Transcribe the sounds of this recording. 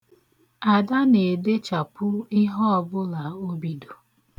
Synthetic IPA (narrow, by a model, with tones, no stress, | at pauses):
a˨da˦ne˨de˦t͡ʃa˨pʊ˦i˦ɦɔ˦ɔ˨bʊ˦la˨o˦bi˦do˨